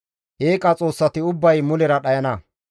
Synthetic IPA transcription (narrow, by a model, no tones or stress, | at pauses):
ʔeːkʼɐt͡sʼo̞ːsːɐt̪ɪʊbːɐjmʊlɛɾɐɗɐjɐnɐ